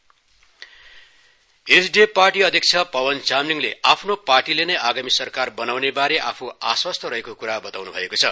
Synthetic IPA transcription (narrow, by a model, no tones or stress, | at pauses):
esɖeparʈiʌd̪ʱjʌk̚t͡sʰʌpʌwʌnt͡samniŋleapʰnoparʈilenʌjaɡamisʌrkarbʌnawnebaɾeʔapʰuaswʌst̪ʌɾʌɦekokuɾabʌt̪awnubʱʌ̰ekot͡sʰʌ